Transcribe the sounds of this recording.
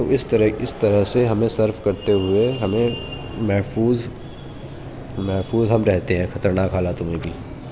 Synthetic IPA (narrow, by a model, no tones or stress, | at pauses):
t̪oɪst̪ɐɾəkɪst̪ɐɾəɦseɦɐmẽsɐɾfkɐɾt̪eɦʊeɦɐmẽ | mɛɦfuːz | mɛɦfuːzɦɐmɾɛɦt̪eɦɛ̃ːxɐt̪əɾnaːkɦaːlat̪ʊmẽbʱiː